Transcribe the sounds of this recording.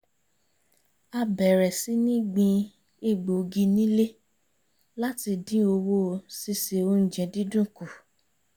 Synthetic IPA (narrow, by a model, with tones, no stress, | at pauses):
a˧bɛ˨ɾɛ˨si˨˦nĩ˦ɡ͡bĩ˧ | e˦˨ɡ͡bo˨ɡĩ˧nĩ˦le˦ | la˦ti˧dĩ˦o˧wo˦˧si˧se˨o˦n̩˨d͡ʒɛ̃˧dĩ˦dũ˦˨ku˨